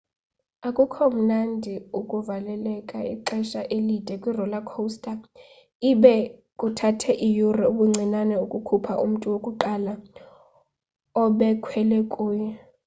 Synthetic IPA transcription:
akʼukʰɔum̩nandʱiukʼuvalɛlɛkʼaḭǃɛʃaʔelid̥ʼʱɛkʼwirɔlakʰostʼa | iɓɛkʼutʰatʰɛʔijurɛuɓuŋ͡ǀʱinanɛukʼukʰupʰaʔṵm̩tʼuwokʼuǃala | ɔɓɛkʰwɛlɛkʼuːjɛ

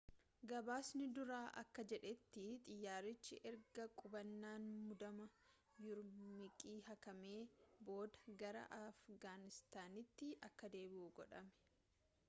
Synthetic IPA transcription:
ɡɐbaːsnɪd̪ʊɾaːʔɐkːɐd͡ʒɛᶑɛt̪ːɪt̪ʼɪjːaːɾɪt͡ʃːɪʔɛɾɡɐkʼʊbɐnːaːnmʊd̪ɐmɐ | jʊɾmɪkʼiːhɐkɐme̞ːbo̞ːd̪ɐɡɐɾɐ̰ʔɐfɡaːnɪst̪aːnɪt̪ːɪɐkːɐd̪e̞ːbɪuːɡɔᶑɐmɛ̥

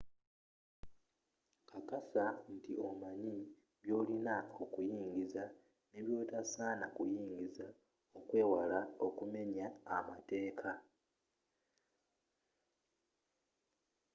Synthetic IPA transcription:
kakasan̩tḭo̞maɲi | βjo̞ːlinao̞kujiːŋɟiza | neβjo̞ːtasaːnakujiːɲɡiza | okwe̞ːwalao̞kume̞ɲaːmate̞ːkʰa

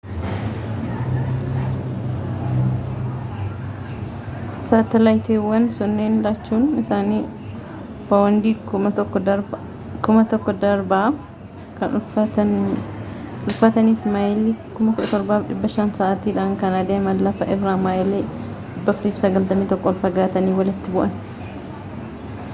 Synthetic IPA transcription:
saːt̪ɐlajt̪eːwːɐnsɔnːeːnlaːt͡ʃːuːnɪsaːniː | fɐwɐnd̪iːɐɔkːɔ | kʊmɐt̪ɔkːɔd̪ɐɾbɐː | kɐn | ʊlfɐt̪ɐniːfmɐjlekʊmɐkʊɗɐt̪ɔɾbaːfᶑɪbːɐʃansaːʔɐt̪iːᶑaːŋkɐnɐd̪eːmɐlːɐfɐʔɪbɾaːmajleː | ᶑɪbːɐfʊɾiːfsɐɡɐlt̪ɐmiːt̪ɔkːɔlfɐɡaːt̪ɐniːwɐlɪt̪ːɪbʊʔɐn

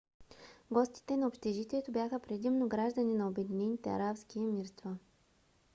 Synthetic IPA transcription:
ɡɔst̪i̥t̪ɛnɐopʃt̪ɛʒit̪ʲiɛt̪objaxəpɾɛd̪imnoɡɾaʒd̪əninɐobɛd̪inɛnit̪ɛɐ̰ɾapskiɛmiɾst̪va

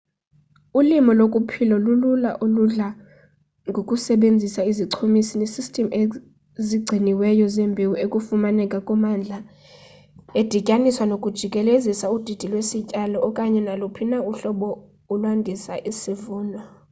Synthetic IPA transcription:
ulimɔlokʼupʰilɔlululaʔoluɮa | ŋɡʱokʼusɛɓend͡zʱisaiziǀʰomisinesistʼɛme | ziɡ͡ǀʱiniwɛjɔzɛmbʱiwuekʼufumanɛkʼakʼɔmand͡ɮʱa | ed̥ʱikʼaniswanokʼud̥ʒ̥ʱikʼɛlezisaud̥ʱid̥ʱilwesicʼalɔːkʼaɲɛnalupʰinauɬɔɓɔ | ulwandʱisaʔisivuːnɔ

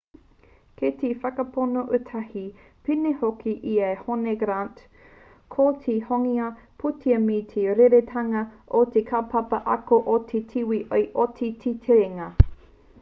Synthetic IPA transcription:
kʰetʰifɐkɐpʰonoʔətʰɐhi | pinehokʰiʔiɐehoneɡɾant | kʰotʰihoŋiɐ | pʰutʰiɐmitʰeɾeɾetʰɐŋɐʔotekʰapʰɐpɐʔɐkoʔotʰetʰiwiʔojʔotʰitʰitʰeɾeŋɐ

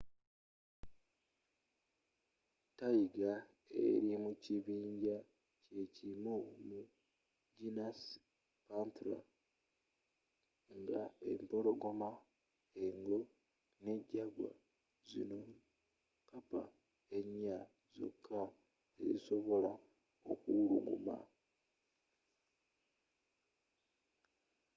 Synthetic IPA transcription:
taiɡa | ḛɾimuciβiːɲɟa | ce̞cimumu | ɟinas | pantula̰ | ŋɡae̞̰mpo̞lo̞ɡo̞ma | eŋɡo̞ | neɟaɡwa̰ | zino | kapa | eɲa | zo̞̰kʰːa | eziso̞βo̞la | okuɾuɡṵma̰

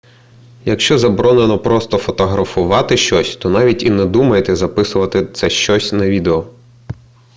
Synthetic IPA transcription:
jɐkʃt͡ʃɔzɐbɾɔnenɔpɾɔst̪ɔfɔt̪ɔɦɾɐfʊʋɑt̪ɪʃt͡ʃɔsʲt̪ɔnɑʋʲitʲinɛd̪umɐjet̪ɛzɐpɪsʊʋɐt̪ɪt̪sɛʃt͡ʃɔsʲnɐʋʲid̪eɔ

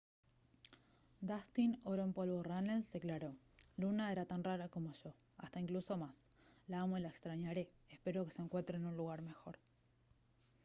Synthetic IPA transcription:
d̪ast̪inoɾoempo̞lβoranelsd̪e̞klaɾolunae̞ɾat̪anraɾako̞mo̞ʃo̞ast̪aiŋkluso̞maslaamolaekst̪ɾaɲaɾe̞espe̞ɾo̞ke̞seŋkwe̞nt̪ɾenunluɣaɾme̞xo̞̰ɾ

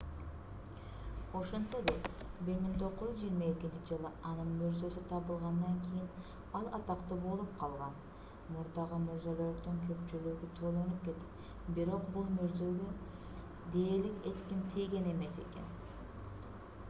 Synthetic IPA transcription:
o̞ʃonsod̪e | biɾmiŋt̪ʰo̞qːʊjyzd͡ʒijːɾmɑekʲind̪d͡ʒ̪ikd͡ʒɯlˠɯɑnɯnmyɾzøsyt̪ʰɑβɯlˠʁɑnd̪ɑŋkʲʰijin | ɑlˠɑt̪ɑqt̪ɯbo̞lˠup̚qʰɑlˠʁɑn | muɾd̪ɑʁɯmuɾzoloɾqt̪oŋkʰø̞pt͡ʃylyɡyt̪ʰo̞lˠo̞nup̚ke̞t̪e̥t | biɾo̞qbulˠmyɾzøɡø | d̪e̞ːɾliket̪kʲimt̪ʰijɡe̞ne̞me̞se̞̰ke̞̰n

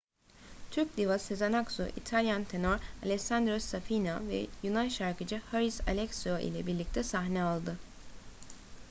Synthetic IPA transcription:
t̪ʰyɾc̚d̪ivasezanaksuʔḭt̪ʰalʲjant̪ʰe̞noɾalʲɛsand̪ɾosːafinavɛ̰junanʃaɾkɯd͡ʒɯhaɾisa̰lʲɛksoʔḭlʲɛ̰biɾlʲic̚t̪ʰɛsaɦnɛalˠd̪ɯ

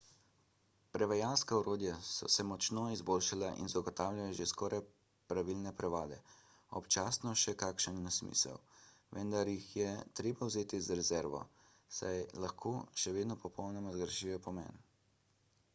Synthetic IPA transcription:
pɾɛʋajalskaɔɾoːd̪jasɔ̰sɛmɔt͡ʃnoizboːlʃalaʔḭnzaɡɔt̪aːwlʲjajaʒeskɔːɾaj | pɾaʋilnɛpɾɛʋaːd̪ɛ̰ | ɔ̰pt͡ʃaːsnɔʃɛkakʃənːsmḭːsə̰w | ʋɛnd̪aɾjixjɛt̪ɾeːbawzeːt̪izɾɛzɛɾʋɔ̰ | sa̰jlaxkʰoːʃɛʋeːd̪nɔpɔpʰɔwnɛmɔzɡɾʃijɔpɔmɛ̰ːn

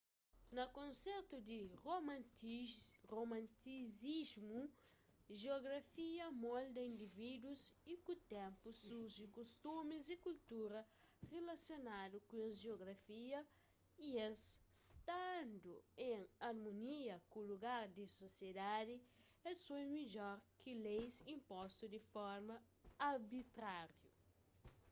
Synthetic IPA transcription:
nɐkõnsɛɾt̪ud̪iromã | romãnt̪izizmu | ʒeoɡɾafiɐmɔld̪ɐĩnd̪ivid̪uzikut̪ɛ̃mpusuɾʒikust̪umizikult̪uɾɐ | relasjonadukũezʒeoɡɾafiɐ | iesst̪and̪uẽŋaɾmõniɐkuluɡaɾd̪isosjed̪ad̪ɪ | ɛsojmid͡ʒɔɾkʰɪlejsĩmpɔst̪ud̪ɪfɔɾmɐ | aɾbit̪ɾaɾju

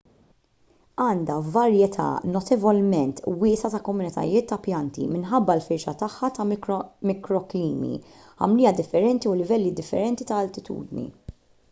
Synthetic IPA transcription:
ɐːnd̪ɐvɐɾjɛt̪ʰɐ̰nɔt̪ɛvɔlmɛnt̪wɪːsɐt̪ɐkɔmʊnɪt̪ʰɐ̰jɪːt̪ːɐpjɐnt̪ḭmɪnħɐbːɐlfɪɾʃɐt̪ɐħːɐt̪ɐɾmɪkɾɔkliːmḭ | ɐ̰mlɪːjɐd̪ɪfːɛɾɛnt̪iʊlɪvɛlːid̪ɪfːɛ̰ɾɛnt̪it̪ɐːlt̪ɪt̪ṵːd̪nḭ

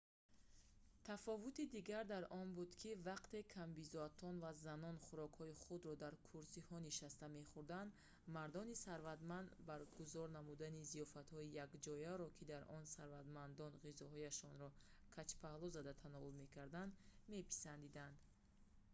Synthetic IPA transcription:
t̪ʰafɔvut̪id̪iɡaɾd̪aɾɔnbud̪kʰivaqt̪e̞kʰambizɔat̪ʰɔnvazanɔnχuɾɔkhɔiχud̪ɾɔd̪aɾkʰuɾsihɔniʃast̪ame̞χuɾd̪and̪ | maɾd̪ɔnisaɾvat̪mand̪baɾɡuzɔɾnamud̪anizijɔfat̪hɔijakd͡ʒɔjaɾɔkʰid̪aɾʔɔnsaɾvat̪mand̪ɔnʁizɔɦɔjaʃɔnɾɔkʰat͡ʃpʰahlɔzad̪at̪ʰanɔulme̞kʰaɾd̪and̪me̞pʰi̥sand̪id̪and̪

